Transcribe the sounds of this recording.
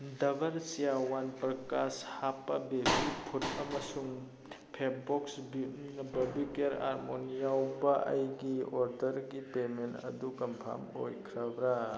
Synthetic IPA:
dɐbɐɾsijawanpɾɐkashapabebipʰut̚ɐmɐsuŋ | pʰepbɔksbinɐbɐbikeɾa̰ɾmonijawbɐʔɐjɡiɔɾdɐɾɡipementɐ̰dukɐmpʰa̰mo̰jkʰɾabɾa

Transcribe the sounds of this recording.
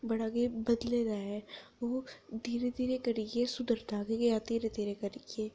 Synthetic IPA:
bɐɽaɡebɐd̪led̪aːɛoːd̪iːɾed̪iːɾekəɾikesʊd̪əɾt̪aːɡekjat̪iːɾed̪iːɾekəɾike

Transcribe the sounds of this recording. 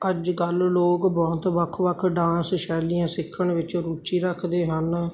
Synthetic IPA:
əd͡ʒɡəlloːkbɔːt̪ʋəkʰʋəkʰɖãːnsʃɛːlijãːsɪkʰːəɳʋɪt͡ʃɾuːt͡ʃiːɾəkʰd̪eːɦən

